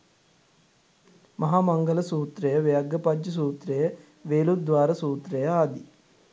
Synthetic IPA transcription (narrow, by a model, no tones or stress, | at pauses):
mɐɦaːmɐŋɡɐlɐsuːt̪ɾejɐʋejɐɡːɐpɐd͡ʒjɐs̬uːt̪ɾejɐ | ʋeːlud̪ʋaːɾɐsuːt̪ɾejɐaːd̪i